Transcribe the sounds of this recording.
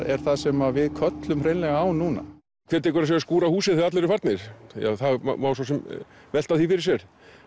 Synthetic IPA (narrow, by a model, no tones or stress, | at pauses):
ɛɾ̥θaðsɛmavɪðkʰœt̪lʏmrejnlɛɣaaːwnuːna̰ | kʰvɛːɾt̪̬ʰːɛkɾas̬aːjaskuːɾahuːsɛθɪat̪lɛɾʏfaɾt̪nɪɾ̥ja̰θaɣm̰maːwsasɛm | vɛl̥t̪aθifɪɾɪɾ̥sjɛɾ̥